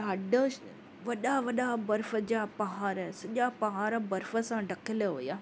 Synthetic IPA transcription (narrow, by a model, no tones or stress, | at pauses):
ɐɖə | ʋɐɗaʋɐɗabɐɾfəd͡ʑaːpɐɦaːɾsɐʄapɐɦaːɾbɐɾfəsãɖɐkʰɪləɦojaː